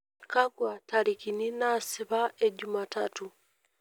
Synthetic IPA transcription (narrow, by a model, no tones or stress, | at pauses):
kaɡwataɾikininasiβaeɟumatatu